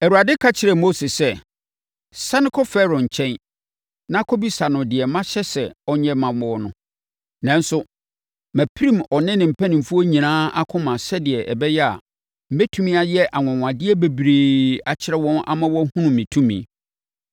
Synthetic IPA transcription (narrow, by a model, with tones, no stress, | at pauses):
ɛ˨wu˨a˨dɪ˦kʰa˦t͡ɕʰɪ˨ɾɛ˨mo˦se˨sɛ˦ | sa˦nɪ̃˦kʰɔ˦fɛ˦ɾɔ̃˨ɲ̩˨t͡ɕʰɛ̃˦n | nã˦kʰɔ˦bi˦sa˨nʊ̃˨dɪ˨ɛ˨mã˦ɕɛ˦sɛ˨ɔ˦ɲɛ̃˦mã˨mɔ˨˦nʊ̃˨ | nã˨n̩˦sʊ˦ | mæ̃˨pʰi˦ɾĩ˦˨mɔ˨nɪ̃˦nɪ̃˨m̩˨pʰæ˦nɪ̃˨m̩˨fu˦o˦ɲĩ˨nãː˦a˦kʰʊ̃˦mã˨sɛ˦dɪ˨ɛ˨ʔɛ̰˨bɛ˦jɛ˦a̰˨ | m̩˦be˦tʰũ˦mĩ˦a˨jɛ˦ʔa˨ŋɔ̃˨ŋʷ˨ã˨dɪ˦ɛ˦be˨bɾeː˨a˨t͡ɕʰɪ˦ɾɛ˦wɔ̃˦na̰˦mã˦wɔ˦hũ˦nʊ̃˨mĩ˨tʰũ˦mḭ̃˨